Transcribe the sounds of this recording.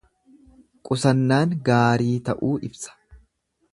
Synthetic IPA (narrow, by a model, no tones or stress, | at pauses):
kʼʊsɐnːaːŋɡaːɾiːt̪ɐʔuːʔɪbsɐ̥